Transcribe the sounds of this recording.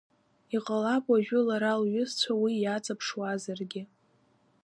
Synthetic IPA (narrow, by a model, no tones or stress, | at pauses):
iqʼalakʼaʒᶣʊlaɾalɥʊzt͡ɕʷʰawijat͡sʼapʰʂwazarɡʲɪ